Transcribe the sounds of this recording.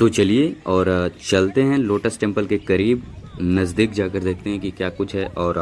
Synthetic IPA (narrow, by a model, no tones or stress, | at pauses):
t̪ot͡ʃɐlieɔːɾt͡ʃɐlt̪eɦɛ̃loːʈəsʈɛ̃mpəlkekɐɾiːbnɐzd̪iːkd͡ʒaːkəɾd̪eːk̚t̪eɦɛ̃kikjaːkʊt͡ʃʰɦɛʔɔːɾ